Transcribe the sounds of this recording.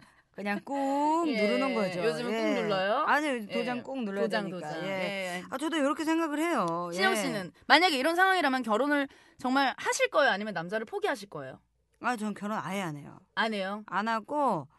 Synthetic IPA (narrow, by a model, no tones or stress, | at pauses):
kɯɲaŋŋk͈uŋnuɾɯnɯnɡʌd͡ʑojod͡ʑɯmɯnekuŋnuɭːʌjoaɲit̪od͡ʑaŋk͈uŋnuɭʌod͡ʑaŋtod͡ʑajeeat͡ɕʌdojoɾʌkʰesʰeŋɡaɡɯɭhe̞jojʰiɲʌŋɕ͈inɯnmaɲaɡe̞iɾʌnsʰaŋwaŋiɾamjʌnk̬jʌɾonɯɭ | t͡ɕʌŋmaɭhaɕʰiɭk͈ʌejoaɲimjʌnːamd͡ʑaɾɯɭpʰoɡiɦaɕ̬ʰiɭk͈ʌḛjo̰ | at͡ɕʌnkjʌɾona̰eane̞̰jo̰anejoanaɡo